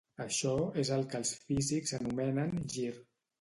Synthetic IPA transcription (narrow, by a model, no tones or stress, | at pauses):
əʃɔezəlˠkəlˠsfizikzənumɛnənʒir